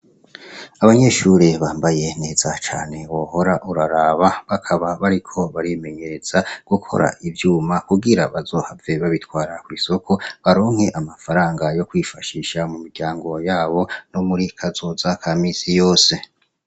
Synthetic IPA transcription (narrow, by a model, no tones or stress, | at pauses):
aβaɲe̞ʃuɾeβaːmbaje̞ne̞ːz̥at͡ʃa̰ːne̞woho̞ɾaʔuɾaɾaːβaβakʰaβaβaɾikʰo̞βaɾime̞ɲe̞ɾe̞z̥aɡ̥ukʰo̞̰ɾa̰ʔivjuːmakuɡiɾa̰βazo̞ːhave̞βaβitwaːɾakwiːso̞kʰo̞βaɾo̞ːŋhe̞ʔamafaɾaːŋɡajo̞kwiːfaʃiːʃamumiɾɟaːŋɡo̞jaːβo̞no̞muɾikʰazo̞zakʰamiːsijoːse̞